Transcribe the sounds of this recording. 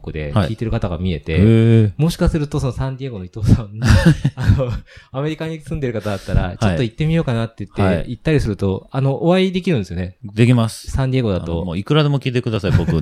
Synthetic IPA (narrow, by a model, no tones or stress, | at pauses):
kːɯd̪e̞akʲiːt̪e̞ɾɯ̟kat̪aɡa̰mʲie̞t̪e̞mo̞ɕi̥kasɨɾɯ̟t̪o̞so̞no̞sãndʲieɡo̞no̞it̪o̞ːsãnːano̞ame̞ɾʲikaɲ̟isɨ̃nd̪e̞ɾɯ̟kat̪ad̪at̪ːaɾa̰t͡ɕo̞t̪ːo̞it̪ːe̞mʲijo̞ːkanat̪ːe̞ɯ̟t̪ːeit̪ːaɾʲisɨɾɯ̟t̪o̞ano̞ʔoβaid̪e̞kʲiɾɯ̟nesɨjone̞d̪ekʲimasɨ̥sãnd̪ʲieɡo̞d̪at̪o̞̰moːikɯ̟ɾad̪emokʲiːt̪e̞kɯ̟d̪asaibokɯ